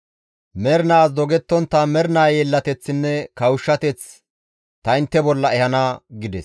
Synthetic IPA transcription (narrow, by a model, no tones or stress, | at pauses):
mɛɾnaːsd̪ɔɡɛt̪ːɔnt̪ːɐmɛɾnaːjɛlːɐt̪ɛt͡sːɪnːɛkɐwʊʃːɐt̪ɛt͡s | t̪ɐɪnt̪ːɛbɔlːɐɛhɐnaːɡɪd̪ɛs